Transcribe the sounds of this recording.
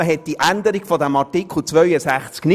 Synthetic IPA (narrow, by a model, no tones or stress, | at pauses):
əɦɛt̚diʔænd̪əɾiɡfɔd̪æmɑrtikχl̩t͡sʋœɥəsæχt͡skny